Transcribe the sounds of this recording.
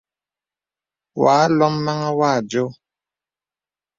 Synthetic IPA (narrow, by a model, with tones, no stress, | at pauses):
waː˨˦lɔ˦mma˦ŋa˦wa˦˨d͡ʒo˦